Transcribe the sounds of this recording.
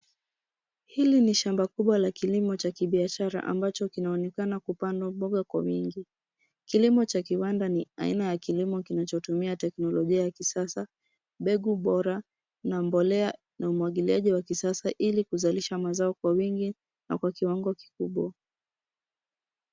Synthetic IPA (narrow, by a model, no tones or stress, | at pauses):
hiliniʃambakuɓwalakilimɔt͡ʃakiɓiaʃaɾa̰ʔa̰mbat͡ʃɔkinaɔnɛkanakupandɔmbɔɠakwa̰wiŋɡi | kilimɔt͡ʃakiwandania̰ḭnajakilimɔkinat͡ʃɔtumiatɛknɔlɔʄiajakisasa | ɓɛɠuɓɔɾa | nambɔlɛa | naumwaɠiliaʄiwakisasaʔilikuzaliʃamazaɔkwawiŋɡi | na̰kwakiwaŋɡɔki̥kuɓwa